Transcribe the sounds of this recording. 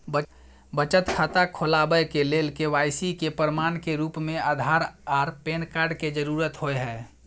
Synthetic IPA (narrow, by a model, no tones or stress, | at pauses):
bə | bət͡ʃət̪kʰaːt̪akʰolabəjkelelkeʋaːjsikepəɾmaːnkeɾuːpmẽaːd̪ʱaɾaɾpeːnkaɾɖked͡ʒəɾuːɾət̪ɦoeɦɛː